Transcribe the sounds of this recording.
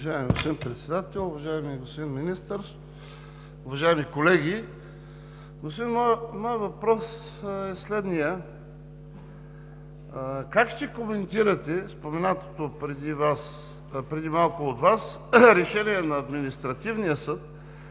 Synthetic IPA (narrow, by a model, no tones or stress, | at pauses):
ʒaɛmiɡospod̪inpɾɛt̪sɛd̪at̪ɛlˠʊvɐʒaɛmiɡostpod̪inminist̪əɾ | ʊvɐʒaimikolɛɡʲi | ɡospod̪inmɔjmɔjəvɐpɾɔsɛslɛd̪nijə | kakʃt̪ɛkomɛnt̪iɾət̪ɛspomɛnat̪o̥t̪opɾɛd̪ivas | pɾɛd̪imalˠkʊːt̪vas | ɾɛʃɛniɛnɐːd̪minist̪ɾɐt̪ivnijəsɤt̪